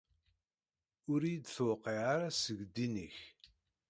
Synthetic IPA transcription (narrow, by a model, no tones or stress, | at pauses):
ʊɾijid̪θwqːiʕaɾasəɡd̪ːinəç